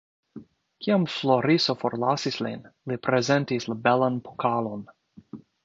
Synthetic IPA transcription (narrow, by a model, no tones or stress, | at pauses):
kʰiamfloɾisofoɾlasislḭnlipɾezɛntislabɛlanpʰokʰalon